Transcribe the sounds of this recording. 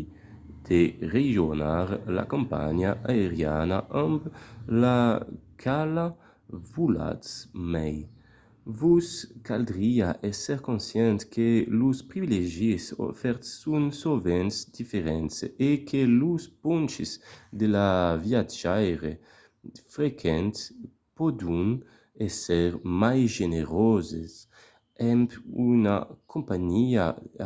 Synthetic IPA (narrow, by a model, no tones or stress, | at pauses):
d̪̥ereʒjonaɾla̰kompa̰ɲaʔaeɾja̰naʔamblakʰala | vula̰smɛj | vuskald̪ɾiaʔɛsɛɾkonsjɛnt̪kʰeluspɾivileʒiso̰fɛɾt̪sːunsovɛnsd̪̥ifeɾɛnsekʰeluspunt͡ʃezd̪elavjad͡ʒajɾe | fɾekʰɛnt̪s | pod̪un | esɛɾmajʒeneɾozes | ɛmpuna̰kʰompaɲia̰